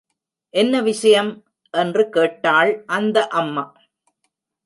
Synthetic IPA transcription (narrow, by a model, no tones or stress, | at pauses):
ʔɛnːɐʋɪʂɐjɐm | ʔɛndrɯkeːʈːaːɭʔɐnd̪ɐʔɐmːɐ